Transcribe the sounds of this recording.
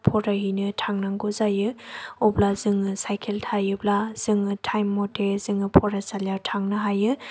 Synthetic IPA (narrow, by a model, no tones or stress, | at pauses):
pʰɔɾaɦinɯtʰaŋnaŋɡuzajɯublazɯŋɯsajkʰeltʰajɯblaz̥ɯŋɯtʰajmːɔtʰezɯŋɯpʰɔɾasaljawtʰaŋnɯɦajɯ